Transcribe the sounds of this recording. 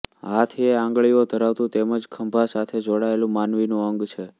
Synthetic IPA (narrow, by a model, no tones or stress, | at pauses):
ɦat̪ʰieãŋɡɭiod̪ʱəɾaʋt̪ũt̪eməd͡ʒkʰəmbʱasat̪ʰed͡ʒoɽaelũmanʋinũəŋɡt͡ʃʰe